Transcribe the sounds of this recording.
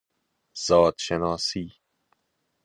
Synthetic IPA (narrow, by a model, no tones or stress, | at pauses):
z̥ɒːd̪ʃenɒːsiː